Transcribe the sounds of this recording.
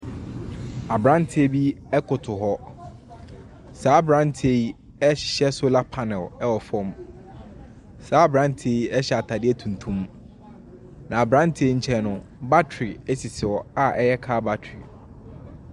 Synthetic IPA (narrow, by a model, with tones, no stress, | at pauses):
a˨bɾã˦n˦tʰɪ˦e˦bi˦ɛ˦kʰʊ˨tʰʊ˨ɦɔ˦ | saː˨˦bɾã˦n˦tʰe˦i˦ | ɛ˦ɕɪ̥˨ɕɛ˦so˦la˦pʰa˦nɛ˨lɛ˦wɔ˨fɔ̃˦m | saː˨˦bɾã˦n˦tʰe˦i˦ɛ˦ɕɛ˨a˨tʰa˨dɪ˦ɛ˦tʰũ˨n˨tʰũ˦m | nã˨a˨bɾã˦n˦tʰi˦e˦ɲ̩˦t͡ɕʰɛ˦nʊ̃˦ba˦tʰɾɪ˨ɛ˦si˨sɪ˨wɔ˨a˦ʔɛ˦jɛ˦kʰaː˦ba˦tʰɾi˨